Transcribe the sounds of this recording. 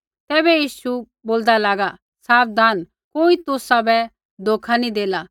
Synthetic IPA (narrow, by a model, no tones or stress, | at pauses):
t̪ɛːbɛjiːʃu | boːld̪alaːɡa | saːpd̪ʱaːn | koːit̪ʊsabɛ | d̪oːkʰanid̪eːla